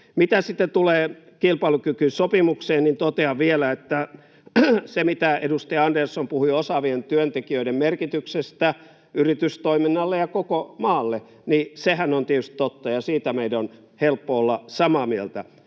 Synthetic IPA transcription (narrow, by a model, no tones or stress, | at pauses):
mit̪æsit̪ːet̪uleː | kilpɑilukykynsopimukseːnnint̪ot̪eɑʋielæet̪ːæ | semit̪æedust̪iɑɑndersːompuhuiosɑʋient̪yønt̪ekiøiɾemmerkit̪yksest̪æ | yrit̪yst̪oiminːɑlːejɑkokomɑːlːe | nisehænont̪iet̪yst̪ĭ̥t̪ot̪ːɑjɑsiːt̪æmeidæon | helpːoolːɑsɑmɑːmielt̪æ̰